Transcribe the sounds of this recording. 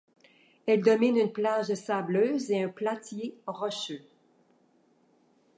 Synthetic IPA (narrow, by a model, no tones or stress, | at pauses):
ɛld̪ɔminynplaʒsabløːzeɛ̃plat̪jeʁɔʃø